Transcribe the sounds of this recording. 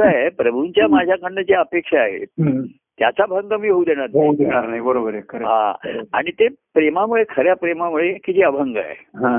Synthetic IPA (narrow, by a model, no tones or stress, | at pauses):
ajpɾəbʱuɲt͡ɕjamad͡ʑʱjakʰəɽːəd͡zeəpekʂaːɦḛ | t̪jat͡sabʱəŋɡəmiːɦoud̪ʱeɽ̃aɾnɦaoud̪eɽ̃aɾnajbəɾobəɾekʰəɾɦã̰a̰ɽ̃it̪epɾemamuɭekʰəɾjapɾemamuɭekid͡ʑeəbʱəŋɡəa̰jɦã